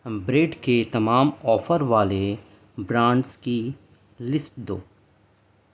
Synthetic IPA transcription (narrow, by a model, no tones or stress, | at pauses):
bɾeːɖket̪ɐmaːmɔːfʰəɾʋaːle | bɾãːɳɖski | lɪsʈd̪oː